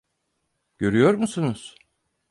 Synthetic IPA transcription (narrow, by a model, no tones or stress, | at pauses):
ɟ̥ø̞ɾyjo̞ɾmusunuz̥